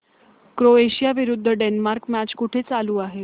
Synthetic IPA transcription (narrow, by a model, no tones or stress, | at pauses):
kɾoeɕijaʋiɾud̪ʱːəɖenmaɾkmæt͡ɕkuʈʰet͡saluːaɦe